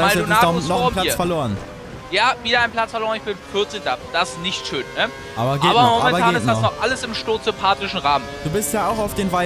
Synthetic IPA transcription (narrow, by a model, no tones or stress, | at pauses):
aɛunaɔnɔχpl̥aɐt͡sfɛɐloːʁən | jaːviːdɐʔaɪnpʰl̥at͡sfɛɐloːɐənɪçb̥ɪnfʏɐt͡s̩dad̥asnɪçtʃøːnnə | ʔaːbɐɡeːbɐɔamɛnːbɐaɡːeːnstnaɔnɔχʔaləsɪmʃtoːsɪpʰaːtɪʃn̩ʁaːmənd̥uːbɪstjaːaʊxaʊfd̥eːnvaɪ